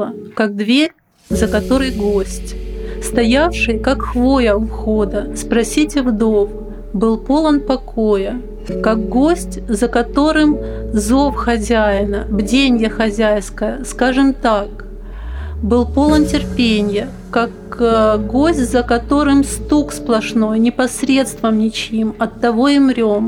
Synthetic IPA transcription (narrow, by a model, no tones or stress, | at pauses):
əkaɡ̚d̪vʲeɾʲ | zəkɐt̪o̞ɾɨjɡosʲtʲst̪ɐjafʂɨjkakxvojəxo̞d̪əspɾɐsʲitʲɪvd̪ov | bɨlˠpo̞lˠənpɐkʰo̞jə | kak̚ɡo̞sʲtʲzəkɐt̪o̞ɾɨmzo̞fxɐzʲæjɪnəbdʲenʲjəxɐzʲæjskəjəskaʐɨmt̪ak | bɨlˠpo̞lˠəntʲɪrpʲenʲjə | kakɡo̞sʲtʲzəkɐt̪o̞ɾɨmst̪uksplˠɐʂnojnʲɪpɐsɾʲe̞t̪st̪vəmnʲɪt͡ɕimɐt̪ːɐvo̞ɪmɾʲo̞m